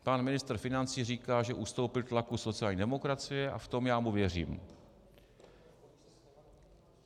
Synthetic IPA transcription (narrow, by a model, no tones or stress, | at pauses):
panmɪnɪst̪r̩fɪnant͡siːriːkaːʒɛʔust̪o̞wpɪlt̪lakuso̞t͡sɪjaːlɲiːdɛmo̞kɾat͡sɪjɛʔa̰ft̪o̞mjaːmuvjɛr̝ḭːm